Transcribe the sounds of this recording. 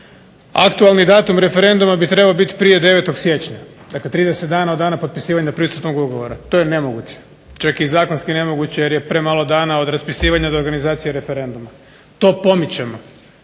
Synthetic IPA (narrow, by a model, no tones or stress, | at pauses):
a̰kt̪ualˠnid̪aːt̪umɾe̞fe̞ɾe̞nd̪umabit̪ɾe̞baobit̪i̥pɾije̞d̪e̞ʋet̪oɡsje̞t͡ɕɲa | d̪akle̞t̪ɾiːd̪eset̪̚d̪aːnaod̪d̪aːnapopi̥siːʋaɲapɾisut̪noɡuɡoʋoɾat̪o̞jenemo̞ɡut͡ɕe̥ | t͡ʃakizaːko̞nskine̞mo̞ɡut͡ɕejeɾje̞pɾe̞ːmaːlo̞d̪aːnao̞d̪ɾaspisiːʋaɲad̪oɾɡanizaːt̪sijeɾe̞fe̞ɾe̞nd̪uma | t̪o̞ːpo̞mit͡ɕemo